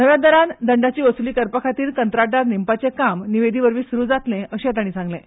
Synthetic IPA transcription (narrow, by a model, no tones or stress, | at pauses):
nəʋjad̪əɾand̪əɳɖat͡ɕiːʋəsuliːkəɾpəkʰat̪iːɾkənt̪ɾaʈaɾnimpat͡sekamniʋed̪ʱiʋəɾʋiːsuɾuːd͡zat̪lẽʔəɕẽt̪̬aɽ̃iːt͡sãŋɡlẽ